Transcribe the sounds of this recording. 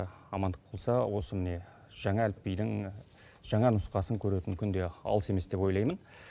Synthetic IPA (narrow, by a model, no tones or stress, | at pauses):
ɑmɑnd̪əq̚bʰo̞lˠsɑwo̞səmɪne̞ | ʒ̥ɑŋɑælpːijd̪ɪŋ | ʒ̥ɑŋɑnʊsqɑsəŋkʲʰɵɾe̞t̪ɪŋkʲʰʏnd̪e̞ɑ̰lˠəse̞me̞sd̪e̞pwo̞jlɑjmən